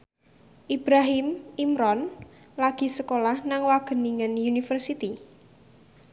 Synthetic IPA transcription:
ʔib̥ɾaɦimimɾɔn | laɡ̥i̤səkolahnaŋwaɡ̥ə̤niŋənjunifərsit̪i

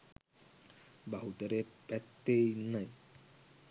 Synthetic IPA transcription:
baɦut̪ɔɾepɛt̪ːejnaj

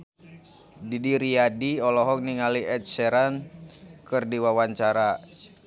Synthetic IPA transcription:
didiɾiadiɔlɔɦɔk̚niŋaliɛt̪̚sɛɾankərdiwawaɲt͡ʃaɾa

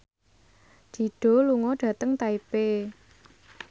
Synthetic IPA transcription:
d̪̥i̤ɖ̥ɔ̤luŋɔɖ̥ä̤t̪əŋt̪aipe

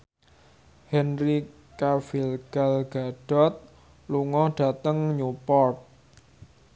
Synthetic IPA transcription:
hɛnri | kafilɡ̥alɡ̥aɖ̥ɔ̤t̪̚ | luŋɔhɖ̥a̤t̪əŋɲupɔrt̪̚

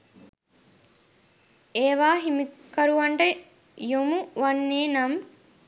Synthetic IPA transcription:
eːʋaːɦimikːɐɾuʋɐɳʈə | jomuʋɐnːeːnɐm

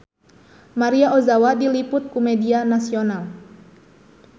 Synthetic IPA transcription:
maɾiaʔozawadilipʊt̪̚kumɛdianasional

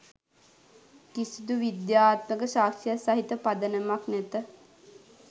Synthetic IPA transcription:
kisud̪uʋid̪jaːt̪məkəʃaːkʃijəsaɦit̪əpad̪ənəmaknæt̪ə

